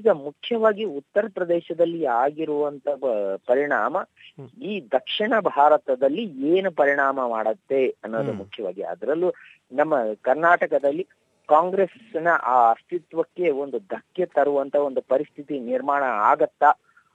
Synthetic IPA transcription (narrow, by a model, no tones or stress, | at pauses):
iɡɐmukʰjɐʋaːɡiut̪ːɐɾɐpɾɐd̪ɛːʃɐd̪ɐlːiaːɡiɾuʋɐnt̪ʰɐpɐɾiɳaːmɐiːd̪ɐkʂiɳɐbʱaːɾɐt̪ɐd̪ɐlːieːnupɐɾiɳaːmɐmaːɽɐt̪ːe̞ɐnːoːd̪umukʰjɐʋa̰ːɡiɐ̰d̪ɐɾɐlːu | nɐmːɐkɐɾnaːʈɐkɐd̪ɐlːi | kaːŋɡɾes | nɐʔaːɐst̪it̪ʋɐkːe̞o̞nd̪ud̪ʱɐkjɐt̪ɐɾuʋɐnt̪ʰɐo̞nd̪upɐɾist̪ʰit̪iniɾmaːɳɐaːɡɐt̪ːɐ